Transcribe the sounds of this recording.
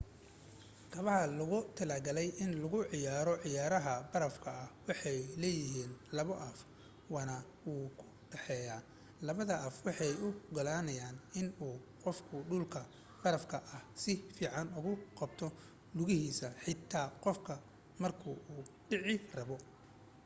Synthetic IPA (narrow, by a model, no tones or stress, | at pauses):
k̪ʰɐβɐɦɐlʊɣʊt̪ʰɐlɐɡɐlɛjʔɪnlʊɣʊʕɪjaːɾɔʕɪjaːɾɐɦɐbɐɾɐfkʰɐːhwɑħɑjlɛːjɪɦiːnlɐβɔʔɐf | wɑːnɐ | wuːkʰʊ̥ | ɖɛħɛːjaː | lɐβɐðɐʔɐfwɑħɑjʊɡɐlaːnɐjaːnɪnuː | qɔfkʰʊɖʊlkʰɐ | b̥ɐɾɐfkʰɐʔɐhsɪfiːʕɑnʊɣʊqɑbt̪ʰɔ | lʊɣɪhiːsɐħɪt̪ʰːaːqɔfkʰɐ | mɐrkʰʊʔuːɖɪʕɪrɐβɔ